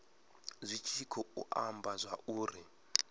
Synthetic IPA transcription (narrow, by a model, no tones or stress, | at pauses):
zʷit͡ʃʰikʰɔṵʔambazʷauːri